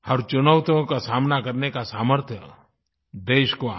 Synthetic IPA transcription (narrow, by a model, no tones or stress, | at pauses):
hɐɾt͡ʃʊnəʊt̪õkasaːmnakɐɾnekasaːməɾt̪ʰjə | d̪eːʃko